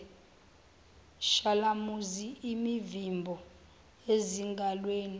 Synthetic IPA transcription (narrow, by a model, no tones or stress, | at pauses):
ʃalamuziimivimbʱɔ | eziŋɡʱalweːni